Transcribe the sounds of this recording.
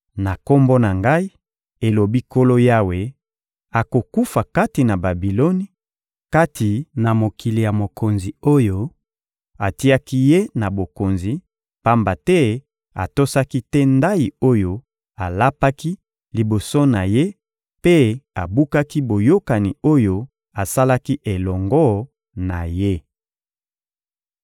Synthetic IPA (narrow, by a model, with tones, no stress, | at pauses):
na˨ko˦mbo˦na˨ŋɡa˦i˦ | e˨lo˨bi˦ko˦lo˦ja˦we˨ | a˨ko˨ku˦fa˨ka˦ti˨na˨ba˨bi˨lo˦ni˦ | ka˦ti˨na˨mo˨kʰi˨li˨ja˨mo˨kʰo˨nzi˨o˦jo˦ | a˨ti˦a˦ki˦je˦na˨bo˨ko˨nzi˨ | pa˦mba˨tɛ˦ | a̰˨to˦sa˦ki˦tɛ˦nda˦ji˨o˦jo˦ | a˨la˦pa˦ki˦ | li˨bo˨so˦na˨je˦ | pe˦a˨bu˦ka˦ki˦bo˨jo˦ka˨ni˨o˦jo˦ | a˨sa˦la˦ki˦ʔe˨lɔ˨ŋɡɔ˦ | na˨je˦